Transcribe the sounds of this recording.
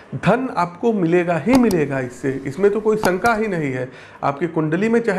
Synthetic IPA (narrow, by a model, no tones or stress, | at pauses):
d̪ʱɐna̰ːpkomɪleːɡaɦimɪleːɡaɪsːeɪsmẽt̪okoːisɐ̃ŋkaɦinɐɦĩɦɛː | a̰ːp̚kekʊ̃ɳɖlimẽt͡ʃaːɦ